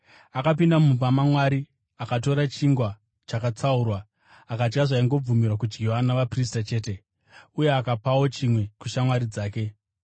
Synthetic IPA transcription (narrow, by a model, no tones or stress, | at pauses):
akapindamupamamwaɾi | akat̬o̞ɾat͡ʃiŋɡwa | t͡ʃakat͡saurwaː | kat͡ʃkaʐaiŋɡo̞b͡vumirwak̬ud͡ʒɡʱiwanaʋapris̬tat͡ʃe̞ːte̞ | uje̞akapawo̞t͡ʃimwe̞kuʃamwaɾid͡zaːke̞